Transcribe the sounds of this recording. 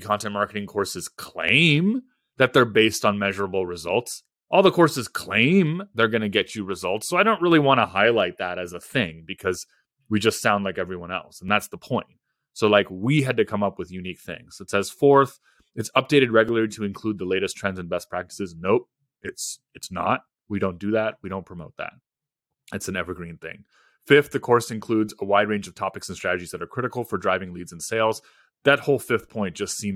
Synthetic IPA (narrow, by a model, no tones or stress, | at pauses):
kʰɑ̃ntɨ̃nmɑɹkɨɾɪ̃ŋkʰɔɹsɨz̥kʰl̥ḛ̃ɪ̃m | ðɨt̪̚ðə˞beɪstn̩mɛʒə˞əbl̩ˠɹɨzʌ̰lˠts | ʔɔlˠðəkʰɔɹsɨz̥kʰl̥ḛ̃ɪ̃mðə˞ɡʌnɨɡɛt͡ʃɨɹɨzʌlˠtsoʊaɪɾõʊ̃nt̚ɹɪlˠiwɑ̃ñəhaɪlaɪt̪̚ðəɾɨzəθɪ̃ŋbɨkʰʌz | wid͡ʒʌstsãʊ̃ndlaɪkɛvɹiwʌ̃nɛ̰lˠsn̩ðætsðəpʰɔ̃ɪ̃nt̚ | soʊlaɪkwiɨd̚tɨkʰʌ̃mʌpwɨðjʉnik̚θɪ̰̃ŋz̥ɨtsɛz̥fɔɹθ | ɨtsʌp̚d̥eɪɾɨd̚ɹɛɡjl̩ˠə˞liɾɨɨ̃nkʰl̥ud̪̚ðəleɪɾɨstʰɹ̥ɛ̃ndzɨ̃n̩bɛspʰɹ̥æk̚tə̥sɨznoʊ | ɪts | ɨtsnə̰t̚ | wiɾõʊ̃nd̥ɨðæt̚wiɾõʊ̃npʰɹ̥əmoʊt̪̚ðæ̰t̚ | ɨtsn̩ɛvə˞ɡɹĩnθɪ̰̃ŋ | fɪft̪ðɨkʰɔɹsɨ̃nkʰl̥ʉdzəwaɪd̚ɹẽɪ̃nd͡ʒʌv̥tʰɑpɨksn̩stɹ̥æɾɨd͡ʒizðɨɾə˞kʰɹ̥ɪɾɨkl̩ˠfə˞dɹaɪvɪ̃ŋlidz̃n̩seɪlˠz | ðɨt̚hoʊlˠfɪfθpʰɔ̃ɪ̃nd̥ʒ̥ʌstsĩm